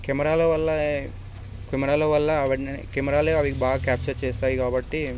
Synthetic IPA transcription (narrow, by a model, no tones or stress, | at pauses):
kemɐɾaːloːʋɐlːɐ | kemɐɾaːloːʋɐlːɐʋɐʈnkemɐɾaːleːɐʋikibaːɡɐkʲaːp̚t͡ʃɐɾt͡ʃeːsaːjikaːbɐʈːi